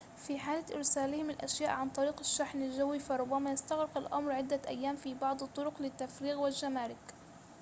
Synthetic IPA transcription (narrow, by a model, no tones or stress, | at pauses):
fiħaːlɪʔɪ̰ɾsaːlɪhɪmɪlʔa̰ʃjaːʔʕant̪ˤɑɾiːqɪʃːaħnalʒawːifɑɾˤʊbːamajɪst̪aɣɾɪqɪlʔa̰mɾʕɪd̪ːaʔajːaːmfibɑʕd̪ˤɨt̪ˤːʊɾʊqlɪt̪ːafɾiːɣwɪlʒamaːɾɪk